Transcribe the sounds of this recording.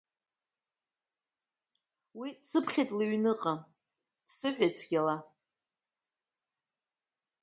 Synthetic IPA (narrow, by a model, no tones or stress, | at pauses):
wisɨpʰχʲejtʼliɥnɨqʼa | sɨħᶣajt͡ɕʷʰɡʲala